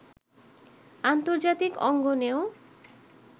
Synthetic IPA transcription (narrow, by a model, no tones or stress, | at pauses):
ant̪oɾd͡ʑat̪ikɔ̰ŋɡoneo